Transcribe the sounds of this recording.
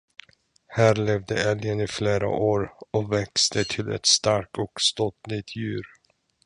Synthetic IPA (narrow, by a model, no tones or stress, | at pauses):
hæːɾlɛvd̪əɛljənɪfleːɾa̰ʔoːɾɔkvɛkst̪ət̪ʰɪlɛ̰t̪st̪aɾkt̪ɔkst̪ɔt̪lɪt̪ʰjʉ̟ːɾ